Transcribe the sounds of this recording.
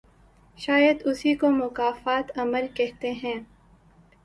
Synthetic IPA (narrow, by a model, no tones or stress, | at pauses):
ʃaːjəd̪ʊsikomʊkaːfaːt̪ɐməlkɛɦt̪eɦɛ̃ː